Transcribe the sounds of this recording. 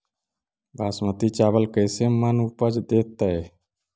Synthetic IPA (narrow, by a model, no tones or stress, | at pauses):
baːsmət̪it͡ʃaːʋəlkəjsemənupəd͡ʒd̪eːt̪ːəe